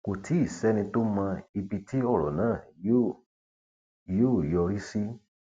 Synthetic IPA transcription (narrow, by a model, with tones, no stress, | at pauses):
ko˨tʰi˨˦i˦˨sɛ˦nĩ˧to˦mã˧i˧bi˧ti˦ɔ˦˨ɾɔ˨nãː˦˨jo˦ | jo˦˨jɔ˧ɾi˦si˦